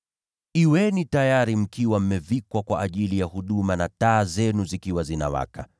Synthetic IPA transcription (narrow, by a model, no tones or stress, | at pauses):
iwɛnitajaɾim̩kiwam̩mɛvikwakwaʔːʄilijahuɗumanataːzɛnuzikiwazina̰wa̰ka